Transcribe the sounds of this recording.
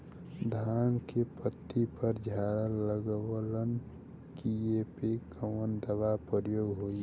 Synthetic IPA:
d̪ʱankepət̪ːipəɾd͡ʒʱaɾəlːəɡəwlən | kijepekəmənd̪əʋapəɾjoɡɦoi

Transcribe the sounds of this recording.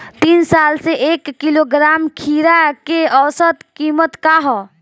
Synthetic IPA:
t̪insalseʔekːiloɡɾamkʰiɾakeəwsət̪kimət̪kaɦɔ

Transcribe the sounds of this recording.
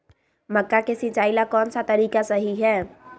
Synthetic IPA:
məkːakesit͡ʃaːilakɔːnsat̪əɾiːkasəɦiɦɛː

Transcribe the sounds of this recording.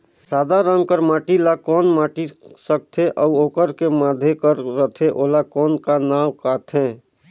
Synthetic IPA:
saːd̪aɾəŋɡkəɾmaːʈilakɔːnmaːʈisək̚t̪ʰeʔɔːoːkəɾkemaːd̪ʱekəɾːət̪ʰeʔoːlakɔːnkanaːwkaːt̪ʰɦɛ̃ː

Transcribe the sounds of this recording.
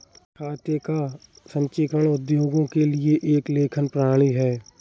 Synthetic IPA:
kʰaːt̪jeka | sə̃ɲt͡ʃɪkəɽ̃ʊd̪joːɡõkelɪeʔeːkleːkʰənpɾaːɭiɦɛː

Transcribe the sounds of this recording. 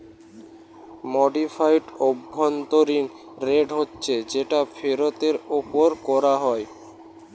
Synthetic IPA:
mɔɖifʰajʈobʱːont̪oɾin | ɾeɖɦotːɕʰed͡ʑeʈafʰeɾot̪eɾopoɾkɔɾaɦɔe

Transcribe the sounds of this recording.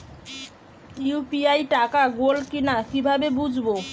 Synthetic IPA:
jupiajʈakaɡolkinakibʱabebud͡ʑʱbo

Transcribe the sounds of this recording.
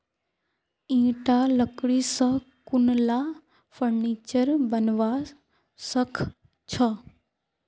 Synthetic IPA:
ĩːʈaləkɽisə | kʊnla | fəɾniːt͡ʃəɾbənʋa | səkʰ | t͡ɕʰə

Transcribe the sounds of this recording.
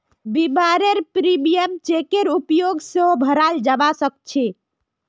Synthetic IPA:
bibaɾeɾpɾimijəmt͡ʃekeɾupjoɡseobʱəɾald͡ʒabasək̚t͡ʃʰi

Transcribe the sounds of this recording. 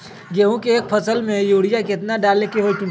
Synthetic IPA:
ɡeːɦũkeːk̚pʰəsəlmẽjuːɽɪjakɪt̪naɖaːlekeɦoːit͡ʃʊ̃

